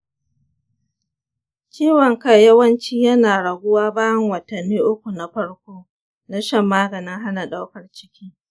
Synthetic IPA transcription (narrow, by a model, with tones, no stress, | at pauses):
t͡ʃʲiː˦wɐ˨ŋkɐ˦jɐ˦wɐ˦nt͡ʃiː˦jɐ˦naː˨ɽɐ˨ɡʷʊ˦waː˦baː˦jɐ˦ŋwɐ˨tɐ˨nːiː˦ʔʊ˦kʷu˨na˨ɸɐ˦ɽkʷoː˦ | na˦ʃɐ˦mːaː˦ɡɐ˨nɪ˦ŋɦa˦na˨ɗa˦wkɐ˨rt͡ʃɪ̥˦kʲiː˦